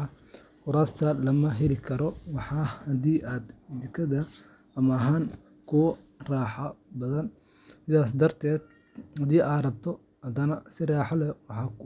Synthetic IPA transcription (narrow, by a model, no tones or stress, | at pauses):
kʊɾaːst̪ʰɐlɐmɐɦɛlɪkʰɐɾɔwɑħɑːhɐd̪iːʔaːd̪ɪðɪkʰɐðɐː | mɐɐɦaːŋ | kʰʊ | raːħɐbɐðɐn | sɪðaːs̬d̪ɐrt̪ʰɛːd̪ | hɐd̪iːʔaːd̪rɐb̚t̪ʰɔ | hɐd̪ɐnɐsɪraːħɑlɛwɑħɑːk